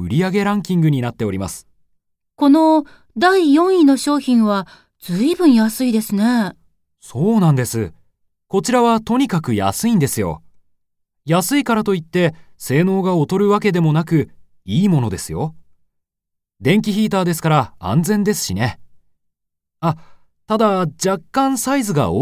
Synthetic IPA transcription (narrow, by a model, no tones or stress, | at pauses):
ɯ̟ɾʲiaɡe̞ɾãŋkʲĩŋɡɯɲ̟inat̪ːe̞o̞ɾʲima̰sɨ̥ | ko̞no̞ | d̪aijõ̞ɰ̃ino̞ɕo̞ːçĩɰ̃βa | d͡z̥ɨibɯ̟̃ɰ̃jasɨid̪e̞sɨne̞ | so̞ːnãnd̪e̞sɨ | ko̞t͡ɕiɾaβat̪o̞ɲ̟ikakɯ̟ja̰sɨĩnd̪e̞sɨjo̞̰ | jasɨikaɾat̪o̞it̪ːe̞se̞ːno̞ːɡaot̪o̞ɾɯ̟βak̬e̞d̪e̞mo̞nakɯ̟ | iːmo̞no̞d̪e̞sɨjo̞ | d̪ẽ̞ŋk̬ʲiçiːt̪aːd̪esɨ̥kaɾaã̰nd͡zẽ̞nd̪e̞sɨ̥ɕine̞ | a | t̪ad̪ad͡ʑakːãɰ̃saizɨɡa̰o